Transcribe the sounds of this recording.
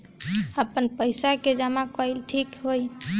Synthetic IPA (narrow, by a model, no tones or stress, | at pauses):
əpənpəjsaked͡ʒamakəjlʈʰikɦoj